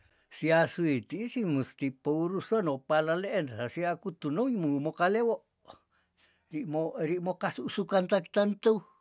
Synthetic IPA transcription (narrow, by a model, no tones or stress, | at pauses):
siasuit̪iisimũst̪ipouɾusonõpalaleʔenhasiakut̪unoɲmũmokalewoʔ | ɾimoɾiʔmõkasuʔsukant̪aki̥t̪ant̪əw